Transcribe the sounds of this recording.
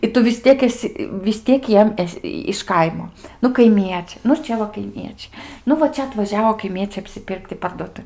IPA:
ɪ ˈtʊ ʋʲɪs ˈtʲiɛk ɛˈsʲɪ ʋʲɪs ˈtʲiɛk ˈjiɛm ˈæːsʲɪ ɪʃ ˈkɐɪmoː ˈnʊ kɐɪˈmʲiɛt͡ʃʲɛɪ nʊ ˈt͡ʃʲɛ ʋɐ kɐɪˈmʲiɛt͡ʃʲɛɪ ˈnʊ ʋɐ ˈt͡ʃʲɛ ɐtʋɐˈʒʲæːʋoː kɐɪˈmʲiɛt͡sʲɛɪ ɐpʲsʲɪˈpʲɪrkt ɪ pɐrduɔˈtʊ

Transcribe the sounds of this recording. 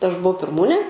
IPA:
ɐʃ bʊˈɐʊ pʲɪrˈmuːnʲeː

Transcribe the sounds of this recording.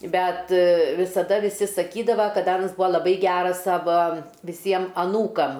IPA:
ˈbʲɛt ʋʲɪsɐˈdɐ ʋʲɪˈsʲɪ sɐˈkʲiːdɐʋɐ kɐt ˈɑːnɐs ˈbuːɐ lˠɐˈbɐɪ ˈɡʲæːrɐs ˈsɑːʋɐ ʋʲɪˈsʲiɛm ɐˈnuːkɐm

